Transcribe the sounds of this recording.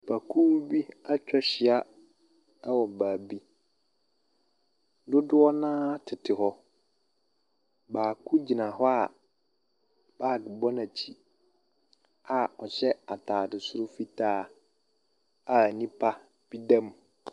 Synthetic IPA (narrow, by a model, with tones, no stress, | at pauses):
ba˨kʰuː˦bi˦a˦t͡ɕᶣʰɔ˦ɕɪ˨a˦ | wɔ̃˨baː˨bi˦ | dʊ˦dʊ˦ɔ˦nãː˦a˦tʰɪ˨tʰɪ˨ɦɔ˦ | baː˨kʰu˦d͡ʑi˨nã˨hɔ˦a˨ | b̥aː˦˨dɪ˨bɔ˦nã˨t͡ɕʰi˨ | a˨ɔ˨ɕɛ˦a˨tʰaː˨dɪ˨sʊ˦ɾʊ˦fi˦tʰaː˦˨ | a˨nĩ˦pʰa˦ | b̥i˦dã˦m